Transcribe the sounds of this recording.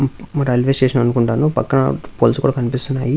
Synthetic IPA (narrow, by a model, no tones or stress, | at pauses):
ɐɾɐjlʋesʈeːʂɐnɐnukuɳʈaːnupɐkːɐnɐ̰poːlsukuːɽaːkɐnipist̪unːaːji